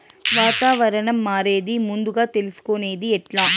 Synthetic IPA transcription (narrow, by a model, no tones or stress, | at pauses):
ʋaːt̪aːʋɐɾɐɳɐmːaːɾeːðimʊnd̪uɣaːt̪ɛlɪsɯ̥koːneːðiɛʈlaː